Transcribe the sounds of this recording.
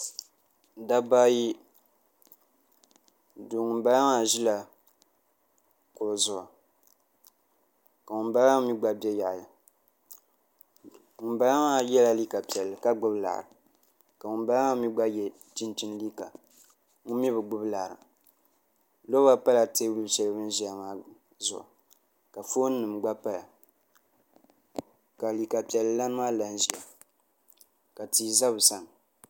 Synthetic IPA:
da˦baː˦ji˦ | du˨ŋu˨˦ba˦la˦ŋa˨ʒi˦la˨ | kʊ˨zʊ˦˨a̰˨ | ka˨ŋu˨nba˦a˦ŋ˦mi˦ɡ͡ba˦bjɛ˦ja˨ʔlɨ˨ | ŋu˨ba˦la˦ŋa˦jɛ˦la˨li˦ka˨pi˨ɛ˨lːɨ˨ka˦ɡ͡bʊ˦bla̰˨ɾɨ˨ | ka˨mʊ˨ba˨la˦ma˦mi˦ɡ͡ba˦jɛ˨ | ti˦nti˦nli˦ka̰˨ | ŋu˦mi˦bɨ˨ɡ͡bʊ˦bla˨ɾɨ̰˨ | lo˦a˦pa˦la˨te˦wu˦lsɛ˦lɨ˦bɨ˦n˦ʒi˨a˨maː˦ | zʊ̰˨ʔʊ̰˨ | ka˨fo˦n˦nːɨ˨mɡ͡ba˦pa˦la˨ | ka˨li˨ka˨pi˨ɛ˨lːɨ˨la˦nɨ˦maː˦la˦n˦ʒi˨a˨ | ka˨ti˨za˦βɨ˨sa˦ŋ˨

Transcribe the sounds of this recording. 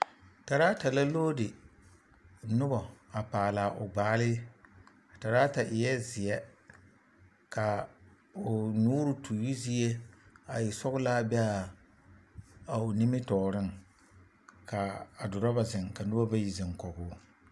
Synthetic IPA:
ta˨ɾaː˦ta˨la˦loː˦dɪ˨ | nʊ˦bɔ˨a˨paː˨la˨ʔo˨ɡ͡baː˨˦˨lɪ˦ | a˨ta˨ɾaː˦ta˨ʔɪ˨jɛ˦zɪ˨jɛ˦ | ka˨ | o˨nuː˦ɾʊ˦tʰu˨ju˦zi˦e˦a˨ji˨sɔ˦ɣʊ˦laː˦bɛ˦a˨ | a˨o˨ni˦mɪ˦tɔː˨ɾɪ˦ŋ | ka˨a˨dʊ˨ɾɔ˦ba˨zɪ˨ŋka˨nʊ˦bɔ˦ba˦ji˨zɪ˨ŋkɔ˨ɡʊː˦

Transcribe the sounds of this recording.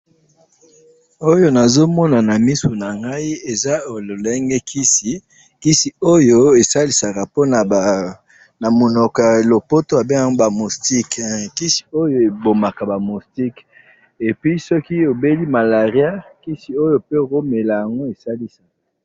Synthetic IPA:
o˦jo˦na˨zo˦mɔ˦na˨na˨mi˦so˨na˨ŋɡa˦i˦e˨za˦˨lɛ˦ŋɡɛ˦kʰi˦si˨ | ki˦si˨o˦jo˦e˨sa˦li˨sa˨ka˨po˦na˨ | na˨mo˨nɔ˨ka˨lo˨po˦to˦ja˨be˦a˨ŋɡo˦ba˨mu˨sti˦kki˦si̥˨o˦jo˨e˨bo˨ma˨ka˨ba˨mu˨sti˦k | e˨pɥi˦sɔ˦ki˦o˨be˦li˦ma˨la˨ʁja˦ki˦si˨o˦jo˦pe˦˨ʁo˦me˨la˨ja˨ŋɡo˦e˨sa˦li˦sa˨ka˨

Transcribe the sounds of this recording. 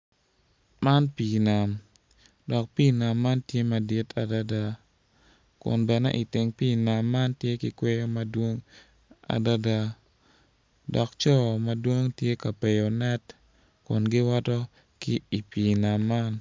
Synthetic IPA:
ma˦npi˨na˨m | dɔ˨k̚pi˦na˨mːa˦ntje˦mɐ˨di˦tʰa˨da˦da˦ | kʊ̰˨nbɛ˨nɛ̰˦ʔi˨tɪ˨ŋpi˦na˨mːa˦ntje˦kɪ˨kwe˦jo˦mɐ˦dwo˦ŋ | a̰˨da˦da˦˨ | dɔ˨kt͡ʃɔ˦˨mɐ˦dwo˦ŋtje˦ka˨pe˨jo˨nɛ˦t | kʊ˨nɡɪ˦wɔ˦tɔ˦ | kɪ˦i˨pi˨na˨mːa˦n

